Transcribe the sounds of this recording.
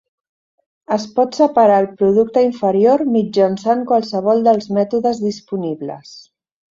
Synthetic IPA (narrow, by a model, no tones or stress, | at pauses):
əspɔt̪səpaɾaːlˠpɾuðuk̚t̪əiɱfəɾioɾmid͡ʒənsaŋkwalˠsəβ̞ɔlˠd̪əlˠzmɛt̪uðəzðispuniβlə̰s